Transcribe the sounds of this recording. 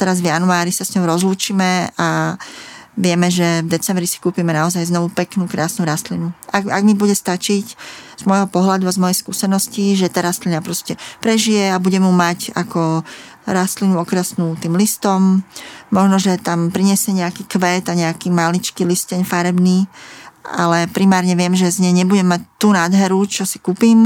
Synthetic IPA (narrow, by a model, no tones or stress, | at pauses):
t̪ɛɾazvjanuaːɾisasɲɔʊɾɔzluːt͡ʃiːmɛa | ʋɪɛmɛʒɛvd̪ɛt͡sɛmbɾisi̥kuːpimɛnaɔzajznɔʋupɛknuːkɾaːsnuɾast̪linuʔaɡaɡmibuɟɛst̪at͡ʃicz̥mɔjɦɔpɔɦlad̪uazmɔjɛjskṵːsɛnɔsciʒɛt̪aːɾast̪linapɾɔscɛpɾɛʒijɛabuɟɛmumaca̰kɔ | ɾast̪linuɔkɾɛsnuːt̪iːmlist̪ɔmː | ɔʒnɔʒɛt̪ampɾiɲɛsjɛɲɛakiːkʋɛːt̪aɲɛakiːmalit͡ʃkiliscɛɲfaɾɛbniː | a̰lɛpɾimaːɾɲɛʋɪɛmʒɛzɲɛɲɛbuɟɛmːac̚t̪ːuːnaːd̪ɦɛɾut͡ʃɔsi̥kuːpiːm